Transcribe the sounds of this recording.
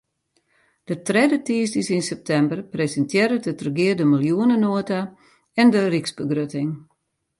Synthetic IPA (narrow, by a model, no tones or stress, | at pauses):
d̥ətrɛdətiːsdisinsɛp̚tʰɛmbərpresəntʰjeɾətətrəɡɪədəmilˠjuənənoəta | ɛndəriksbəɡrøtɪŋ